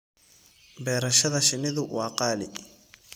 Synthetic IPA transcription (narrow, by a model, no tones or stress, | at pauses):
bɛːɾɐʃɐðɐʃɪnɪðʊwɑːqɑːlɪ̰